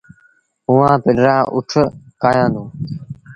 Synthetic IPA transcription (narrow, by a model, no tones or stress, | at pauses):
ʊʋãːpɪɗɾaːʔʊʈʰkaːjãːnd̪ũː